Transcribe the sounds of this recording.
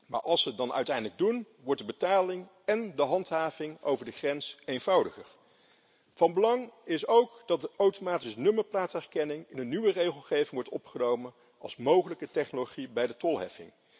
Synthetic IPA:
ma̰ːɹʔɑlˠsədɑnœ̰ɥtɛjndələɡ̚dun | ʋɔɹt̚dəbətaːlɪŋ | ɛndəɦɑntɦaːvɪŋo̰wvəɹdəχrɛnsejnvɑwdəχəɹ | v̥ɑnbəlɑŋɪsowkd̥ɑt̚əʔowtomaːtisnɵməɹplaːtɛɹkɛnɪŋɪnənːyʋərejχəlˠχejvɪŋʋɔɹtɔpχənowmən | ɑlˠsmowχələkətɛχnoloχibɛjdətɔlˠɦɛ̰fɪ̰ŋ

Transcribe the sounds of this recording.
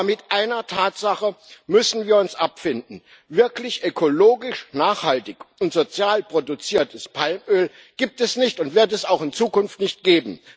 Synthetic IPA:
mɪtʔaɪnɐtʰaːtz̥aχəmʏsn̩viːɐʊnsʔapfɪndn̩ | vɪɐklɪçʔøkʰoloːɡɪʃnaːχhaltɪçʊntz̥ot͡sjaːlpʁ̥odut͡siːɐtʰəspʰalmøːl | ɡ̥iːp̚tɛsnɪçtʊntv̥ɪɐtɛsaʊxɪnt͡suːkʊnftnɪçt̚ɡ̥eːbm̩

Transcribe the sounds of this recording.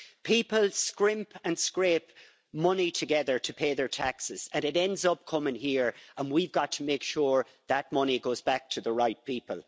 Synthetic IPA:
pʰipəlˠskɹɪ̃mpʰə̃nskɹeːp | mʌnitʰəɡɛðə˞tʰəpʰeɪðə˞tʰaksɪz̥ə̃nɪɾɛ̃ndzʌp̚kʰʌmɪ̃ŋhiɹʔə̃nwivɡɑtʰəmeɪkʃuːɹ | ðət̚mʌñiɡoʊːzbak̚tʰəðəɹaɪt̚pʰipəlˠ

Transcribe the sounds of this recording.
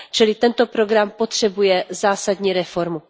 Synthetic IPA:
t͡ʃɪlɪt̪ɛnt̪o̞pɾo̞ɡɾampo̞t̪r̥ɛbujɛzaːsadɲiːɾɛfo̞ɾmu

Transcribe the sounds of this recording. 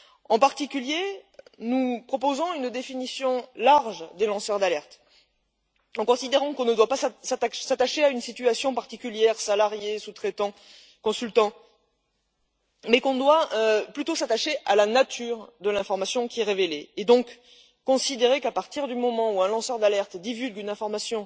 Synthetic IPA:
ɑ̃paʁt̪ikʲyljenupχɔpozɔ̃ynd̪efinisjɔ̃laʁʒd̪elɑ̃sœʁd̪alɛʁt̪ | ɑ̃kɔ̃sid̪eʁɑ̃kɔ̃nəd̪wapassat̪aʃeaynsit̪yasjɔ̃paʁt̪ikʲyljɛʁsalaʁjesut̪χet̪ɑ̃ | kɔ̃sylt̪ɑ̃ | mɛkɔ̃d̪waøplyt̪osat̪aʃeʔa̰lanat̪ʰyʁd̪əlɛ̃fɔʁmasjɔ̃kʲiɛʁeveleːd̪ɔ̃kː | ɔ̃sid̪eʁekapaʁt̪iʁd̪ymɔmɑ̃uɛ̃lɑ̃sœʁd̪alɛʁt̪d̪ivylɡynɛ̃fɔʁmasjɔ̃

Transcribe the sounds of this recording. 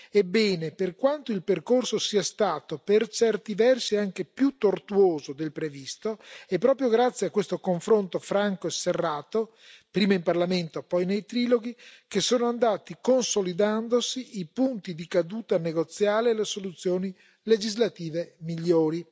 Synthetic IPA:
ebːɛːneperkwant̪oilperkorsosiːast̪aːt̪opert͡ʃɛrt̪ivɛrsiaŋkepjut̪ːort̪uoːzod̪elpɾevist̪oɛpːɾɔːpɾjoɡɾat̪sːjeakːwest̪okoɱfɾont̪ofɾaŋkoeserːaːt̪o | pɾiːmaimparlament̪opɔjnejt̪ɾiːloɡikesoːnoand̪aːt̪ikonsolid̪and̪osiipunt̪id̪ikad̪uːt̪aneɡot̪sːjaːlealesolut̪sːjoːni | led͡ʒizlat̪iːvemiʎːoːɾi

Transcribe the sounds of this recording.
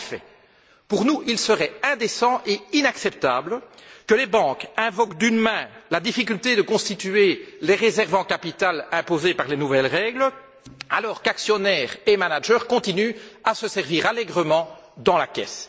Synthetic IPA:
fɛ̰ | puʁnuʔilsəʁɛɛ̃d̪esɑ̃ʔeinaksɛp̚t̪aːblkəlebɑ̃kɛ̃vɔkd̪ynmɛ̃lad̪ifik̬ʲylt̪ed̪əkɔ̃st̪it̪yeleʁezɛʁvɑ̃kapit̪alɛ̃pozepaʁlenuvɛlʁɛɡl | a̰lɔːʁkaksjɔnɛːʁemanaʒœːʁkɔ̃t̪inyasəsɛʁviːʁalɛɡʁəmɑ̃d̪ɑ̃lakʲɛ̰s

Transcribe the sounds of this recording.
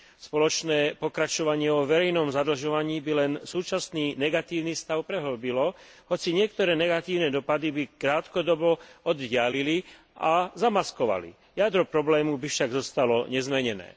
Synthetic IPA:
spɔlɔt͡ʃnɛːpɔkɾat͡ʃɔʋaɲɪɛvɔʋɛɾɛjnɔmzad̪l̩ʒɔʋaɲiːbilɛnsuːt͡ʃasniːnɛɡat̪iːʊnist̪aʊpɾɛɦɔlbilɔ | ɦɔt͡siɲɪɛkt̪ɔɾɛːnɛɡat̪iːʊnɛd̪ɔpad̪ibikɾaːt̪kɔd̪ɔbɔɔd̪ɟɪalili | ʔazamaskɔʋa̰lḭ | jad̪ɾɔpɾɔblɛːmubifʃaɡzɔst̪alɔɲɛzmɛɲɛnɛ̰ː

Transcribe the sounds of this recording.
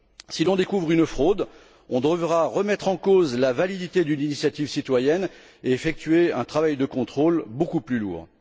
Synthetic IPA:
silɔ̃d̪ekuvʁynfχod̪ | ɔ̃d̪wavʁaʁəmɛt̪χɑ̃kozlavalid̪it̪ed̪yninisjat̪ivsit̪wajɛn | eːfɛk̚t̪ɥeɛ̃t̪χavajd̪əkɔ̃t̪χolbokuplylṵːʁ

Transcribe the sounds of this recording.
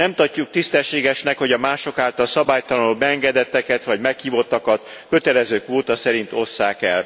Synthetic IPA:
nɛmt̪ɒcːuk̚t̪ist̪ɛʃːeːɡɛʃnɛkho̞ɟɒmaːʃo̞kaːlt̪ɒlsɒbaːjt̪ɒlɒnobɛɛŋɡɛd̪ɛt̪ːɛkɛt̪ʋɒɟmɛkhiːvo̞t̪ːɒkɒt̪kø̞t̪ɛlɛzøːkʋoːt̪ɒsɛɾint̪o̞sːaːkɛ̰l

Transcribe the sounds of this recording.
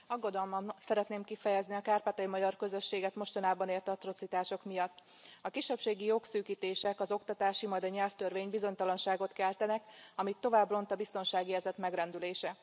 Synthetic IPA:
ɒɡːo̞d̪ɒlmɒnsɛɾɛt̪neːmkifɛjɛzniɒkaːrpaːt̪ɒjimɒɟɒrkø̞zø̞ʃːeːɡɛt̪mo̞ʃt̪onaːbɒneːlt̪ɒt̪ro̞t̪sit̪aːʃo̞kmijɒt̪ː | ɒkiʃːɛpʃeːɡijoksyːkiːt̪eːʃɛkɒzo̞kt̪ɒt̪aːʃimɒjd̪ɒɲɛlft̪ørveːɲbizo̞ɲt̪ɒlɒnʃaːɡo̞t̪kɛlt̪ɛnɛkɒmit̪ːo̞vaːbro̞nt̪ɒbist̪o̞nʃaːɡierzɛt̪mɛɡrɛnd̪yleːʃɛ

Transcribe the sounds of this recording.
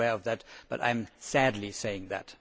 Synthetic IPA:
ɛɹʌvðɨt̚b̥ʌ̰ɾã̰ɪ̃msædˡliseɪɪ̃ŋðæ̰t

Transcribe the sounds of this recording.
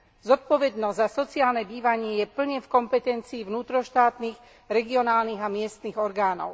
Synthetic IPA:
zɔt̪̚pɔʋɛd̪nɔzzasɔt͡siaːlnɛbiːʋaɲɪɛjɛpl̩ɲɛfkɔmpɛt̪ɛnt͡siːʋnuːt̪ɾɔʃt̪aːt̪niːx | ɾɛɡiɔnaːlniɣamɪɛst̪niɣɔɾɡaːnɔ̰ʊ

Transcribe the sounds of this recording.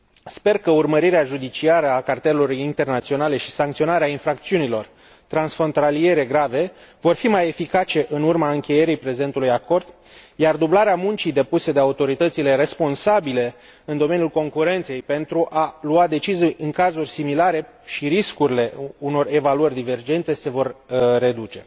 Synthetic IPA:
spe̞rkəurməɾiɾeaʒud̪it͡ʃiaɾəakart̪eloɾint̪e̞rnat̪sio̞nale̞ʃi̥saŋkt̪sio̞naɾeainfɾakt̪siunilo̞r | t̪ɾansfo̞nt̪alie̞ɾe̞ɡɾave̞vo̞rfimaje̞fikat͡ʃe̞ʔɨnurmaɨŋkʲe̞je̞ɾijpɾe̞ze̞nt̪ulujako̞rd̪ | jard̪ublaɾeamunt͡ʃid̪e̞pused̪e̞aut̪o̞ɾit̪ət̪sile̞ɾe̞spo̞nsabile̞ | ɨnd̪o̞me̞njulko̞ŋkuɾe̞nt̪sejpe̞nt̪ɾuʔaluad̪e̞t͡ʃizijɨŋkazurʲsimilaɾe̞ | ʃiɾiskuɾile̞uno̞re̞valuərʲd̪ive̞rd͡ʒe̞nt̪e̞se̞vo̞rːe̞d̪ut͡ʃe̞

